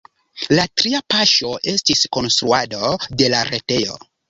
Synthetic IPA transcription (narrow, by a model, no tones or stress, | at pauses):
latɾiapaʃo̞ʔe̞stisko̞nst̪ɾuadode̞laɾete̞jo̞̰